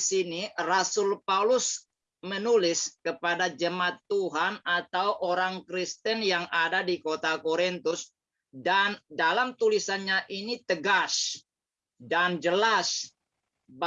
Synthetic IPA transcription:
sinirasʊlpaulʊs | mənulɪskəpadad͡ʒəmaat̪ːuɦanat̪awʔoɾaŋkɾist̪ənjaŋadadikot̪akoɾint̪ʊs | dandalamt̪ulisanɲaʔinit̪əɡas | dand͡ʒəlas | b

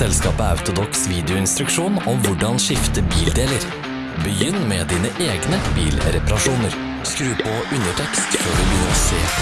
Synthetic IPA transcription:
ɛlskɑːpəɑ̰ʉt̪ʊd̪ɔksʋiːd̪ɪʊɪnst̪ɾʉkʂuːnɔmʋʊɖɑnʃɪft̪əbiːld̪eːləɾ | bəjʏnːmɛd̪iːnəʔeːɡnəbiːlɾɛpɑɾɑʂʃuːnəɾ | skɾʉːpʰoʔʉnəʈʰɛkst̪føːɖʉbjʏnəɾoseː

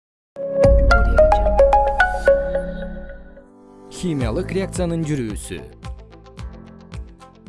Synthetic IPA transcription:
xʲimʲijalˠɯqrʲeak̚t̪sɨjanɯnd͡ʒyɾyːsy̰

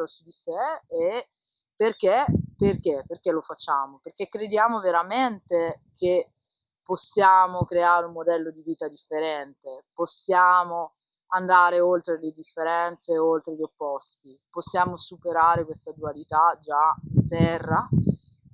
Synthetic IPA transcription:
osud̪iseː | perk̟eperk̟epːerk̟elofat͡ʃːaːmoperk̟ekːɾed̪jaːmoveɾament̪ekʰe | posːjaːmokɾeaːɾumːod̪ɛlːod̪iviːt̪ad̪ifːeɾɛnt̪eposːjaːmo | and̪aːɾeolt̪ɾeled̪ifːeɾɛnt̪seolt̪ɾelopːɔst̪i | posːjaːmosupeɾaːɾekwest̪ad̪ualit̪ad͡ʒaint̪ɛrːa

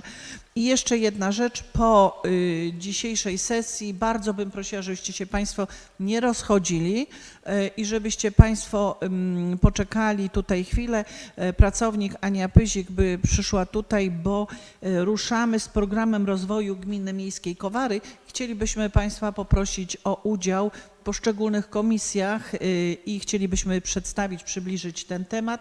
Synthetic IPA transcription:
ijɛʂt͡ʂɛjɛd̪̚naʐɛt͡ʂpɔ | d͡ʑiɕejʂɛjsɛsʲjibaɾd̪zɔbɘmpɾɔɕiwaʐɛbɘɕt͡ɕɛɕɛpaj̃st̪fɔ | ɲɛɾɔsxɔd͡ʑilʲi | ʔiʐɛbɘɕt͡ɕɛpaj̃st̪fɔ | pɔt͡ʂɛkalʲit̪ut̪ajxfʲilɛpɾat̪sɔvɲikaɲapɘʑiɡbɘpʂɘʂwat̪ut̪ajbɔɾuʂamɘspɾɔɡɾamɛmɾɔzvɔjuɡmʲinɘmʲjejskʲejkɔvaɾɘxt͡ɕelʲibɘɕmɘpaj̃st̪fapɔpɾɔɕit͡ɕɔʔud͡ʑaw | pɔʂt͡ʂɛɡulnɘxkɔmʲisʲjaxixt͡ɕelʲibɘɕmɘpʂɛt̪st̪avʲit͡ɕpʂɘblʲiʐɘt͡ɕt̪ɛnt̪ɛmat̪

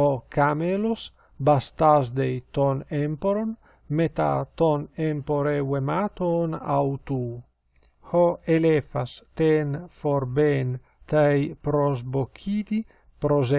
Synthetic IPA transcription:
ɔkamelos | bast̪azd̪ejt̪onempoɾon | met̪a̰t̪onempoɾewemat̪ona̰wt̪u | hɔelefast̪enfoɾben | t̪ajpɾozbokʰid̪i | pɾoze

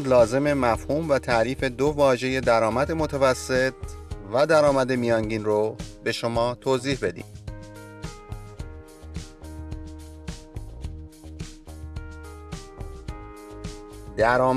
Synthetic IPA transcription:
lɒːze̞me̞mæfhuːmvæt̪ʰæʔɾiːfe̞d̪ovɒːʒe̞je̞d̪æɾɒːmæd̪emo̞t̪ʰævæsːe̞t̪ʰvæd̪æɾɒːmæd̪e̞mijɒːŋɟiːnrobe̞ʃomɒːt̪ʰoːziːhbe̞d̪ḭːm | d̪̥æɾɒːm

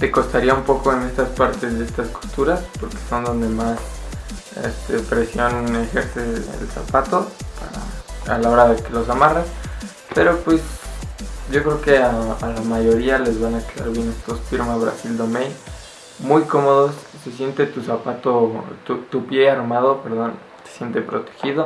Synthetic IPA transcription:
t̪e̞ko̞st̪aɾiaumpo̞ko̞e̞ne̞st̪aspaɾt̪e̞zðee̞st̪asko̞̥st̪uɾaspo̞ɾke̞̥so̞nd̪o̞nd̪e̞mas | ḛst̪e̞̰pɾe̞sjo̞ne̞xe̞ɾse̞ḛlsa̰pat̪o̞pa̰ɾa̰a̰lao̞ɾaðe̞ke̞lo̞samaras | pe̞ɾo̞pwe̞s | ɟ͡ʝo̞kɾe̞oke̞aalamaʝo̞ɾiale̞zβanakela̰ɾβje̞ne̞st̪osfiɾmaβɾa̰sild̪o̞men | mujko̞mo̞ðosːes̬je̞nt̪et̪usapat̪o̞t̪ut̪upje̞aɾmað̞o̞pe̞ɾð̞o̞n | t̪e̥sje̞nt̪e̞pɾo̞t̪e̥xiðo̞

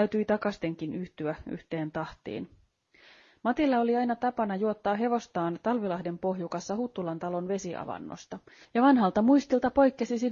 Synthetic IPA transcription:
æyt̪yit̪ɑkɑst̪e̞ŋk̟inyht̪yæy̰ht̪e̞ːnt̪ɑht̪ḭːn | mɑt̪ilːɑo̞liɑjnɑt̪ɑpɑnɑjuot̪ːɑːɦe̞ʋo̞st̪ɑːnt̪ɑlʋilɑhde̞mpo̞ɦjukɑsːɑhut̪ːulɑnt̪ɑlo̞nʋe̞siʔɑ̰ʋɑ̰nːo̰st̪ɑjɑʋɑnɦɑlt̪ɑmuist̪ilt̪ɑpo̞jkːesisi

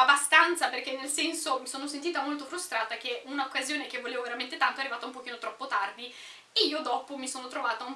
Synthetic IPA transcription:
abast̪ant̪saperk̟enːelsɛnsomisoːnosent̪iːt̪amolt̪ofɾust̪ɾaːt̪ak̟eunaokːazjoːnek̟evːoleːvoveɾament̪et̪ant̪oɛarːivaːt̪aumpok̟iːnot̪ɾɔpːot̪ard̪i | eiːod̪ɔːpomisoːnot̪ɾovaːt̪aum

